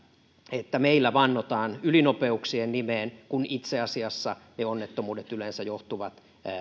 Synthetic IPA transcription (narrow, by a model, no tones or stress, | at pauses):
et̪ːæmeilːæʋɑnːot̪ɑːnylinopeuksiennimeːnkunit̪seɑsiɑsːɑneonːet̪ːomuːdet̪ylensæjoht̪uʋɑt̪